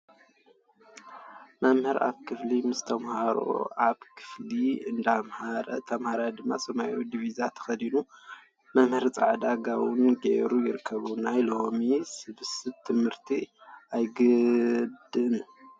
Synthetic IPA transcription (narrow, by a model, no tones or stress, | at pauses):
mɐmhɨɾa̰βkʰɨflimɨst̪ʰɐmhaɾo̰ʔaβkʰɨ̥fliɨnd̪amhaɾɐt̪ʰɐmhaɾad̪ɨmːasɐmajud̪ivizat̪ʰɐ̥xɐd̪inu | mɐmhɨɾt͡sʼaʕd̪aɡawɨnɡeɾujɪɾɨkʰːɐβunajlomisɨβɨsɨt̪ʰɨmhɨɾt̪ʰiajɡɨd̪ɨn